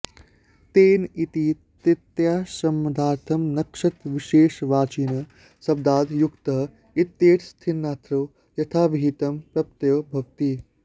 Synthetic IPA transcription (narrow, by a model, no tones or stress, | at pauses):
t̪eːnit̪i | t̪it̪jaːsɐmːɐd̪ʱaːɾt̪ʰɐmnɐkʂɐt̪ʋiʃeːʃʋaːt͡ʃiːnɐ | sɐb̚d̪aːd̪jukt̪ɐɦ | it̪jeːʈʰst̪ʰinːaːt̪ɾɐw | jɐt̪ʰaːʋiɦit̪ɐmpɾɐp̚t̪jɐwbʱɐkt̪i